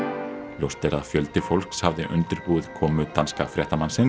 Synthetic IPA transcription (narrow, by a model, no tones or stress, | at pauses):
ljowst̪eɾaðfjœlt̪ɪfowlhkshavðɪʔʏ̰nt̪ɪɾpuːð̥kʰɔːmʏt̪anskafɾjɛht̪amansɪn